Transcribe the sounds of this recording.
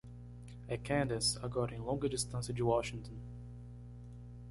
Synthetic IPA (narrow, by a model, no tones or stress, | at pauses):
ɛkʰæ̃ndəsəɡɔɾɪ̃ŋlɔ̃ŋɡədɪstə̃nsɪ̃d͡ʒuwɔʃɪ̃ŋtə̃n̩